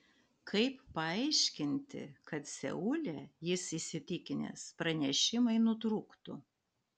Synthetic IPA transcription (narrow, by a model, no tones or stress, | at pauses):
kʰɐɪpːɐɐɪʃʲkʲɪnʲt̪ʲɪ̰kɐt̪sʲɛ̰ʊlʲɛjɪsisʲɪt̪ʲɪkʲɪnʲɛ̰spɾɐnʲɛʃʲɪmɐɪnʊt̪ɾuːkt̪ʊ